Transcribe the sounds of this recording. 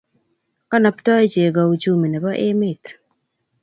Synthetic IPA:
ka˦na˨ptɔ˦e˦t͡ʃe˨ɡa˨u˨t͡ʃu˦mi˨nɛ˨ba˦ʔe˦mɪ˦˨t

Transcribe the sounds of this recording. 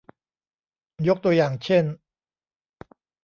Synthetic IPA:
jo˦˥k̚t̪u˧ɐjaː˨˩ŋt͡ɕʰe˥˩n

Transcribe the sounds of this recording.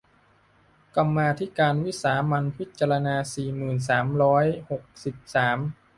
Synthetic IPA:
ka˧mːaː˧t̪ʰi˦˥kaː˧nwi˦˥saː˩˦ma˧npʰi˦˥t̪̚t͡ɕa˧ɾa˧naː˧siː˨˩mɯː˨˩ns̬aː˩˦mɾɔː˦˥jho˨˩k̚si˨˩p̚saː˩˦m

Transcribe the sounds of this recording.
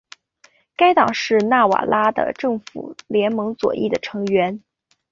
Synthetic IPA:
ka˥ɪt̪ɑ˨˩ŋʂɻ̩˥˧na˥˩wa̰˨˩la˥d̪ə̰˨ʈ͡ʂɤ˥˩ŋfṵ˨˩ljɛ˧˥nmɤ˧˥ŋt͡swɔ̰˨˩ʔḭ˥˩d̪ə˩ʈ͡ʂʰɤ˧˥ŋɥɛ˧˥n

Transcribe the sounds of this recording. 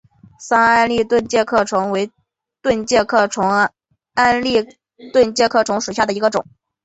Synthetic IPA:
sa˥a˥nli˥˧t̪wə˥˧nt͡ɕjɛ˥˧kʰɤ˥˩ʈ͡ʂʰwʊ˧˥ŋwe˧˥ɪ | t̪wə˥˧nt͡ɕjɛ˥˧kʰɤ˥˩ʈ͡ʂʰʊ˧˥ŋ | a˥nli˥˧ | t̪wə˥˧nt͡ɕjɛ˥˧kʰɤ˥˩ʈ͡ʂʰʊ˧˥ŋʂu˨˩ɕja˥˩d̪ə˩i˧˥ɡə˧ʈ͡ʂʊ˨˩˦ŋ

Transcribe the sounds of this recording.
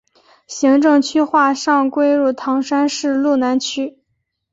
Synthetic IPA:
ɕi˧˥ŋʈ͡ʂɤ˥˧ŋt͡ɕʰy˥xwa˥˧ʂɑ˥˧ŋkwe˥ɪɻu˥˩t̪ʰɑ˧˥ŋʂa˥nʂɻ̩˥˩˧lu˥˩na˧˥nt͡ɕʰy˥

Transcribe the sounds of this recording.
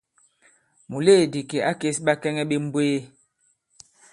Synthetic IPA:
mu˨le˦˨di˨ke˨a˦ke˦sɓa˦kɛ˦ŋɛ˦ɓe˦m̩˦beː˦

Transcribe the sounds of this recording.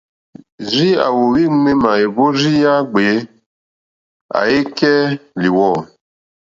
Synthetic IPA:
zi˦a̰˨wo˨wi˦me˦ma˨e˨bo˦ɾi˦ja˦ɡ͡be˨˦ | a̰˨e˦kɛ˦li˨wɔ˦˨

